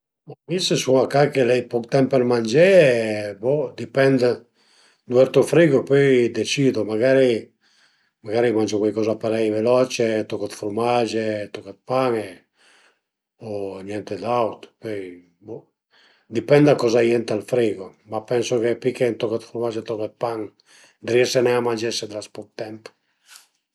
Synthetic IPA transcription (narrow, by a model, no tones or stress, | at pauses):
mamisesuŋakakelɛjpɔkt̪ɛmpeɾmand͡ʒɛbɔd̪ipɛnd̪ | d̪uɛɾt̪ofɾiːɡopɔjd̪et͡ʃiːd̪omaɡaɾi | maɡaːɾimand͡ʒokwajkɔːzapeɾɛjvelɔt͡ʃet̪ɔkːat̪fuɾmad͡ʒet̪okat̪̚paŋe | ɔɲjɛnt̪ed̪awt̪pøj | bɔ | d̪ipɛnd̪akːɔzajɛnt̪alfɾiɡomapːɛnsokepikːent̪ɔkat̪fuɾmad͡ʒet̪ɔkat̪̚paŋ | d̪ɾiɛsenɛamand͡ʒɛsːed̪ɾaspuk̚t̪ɛmpo̥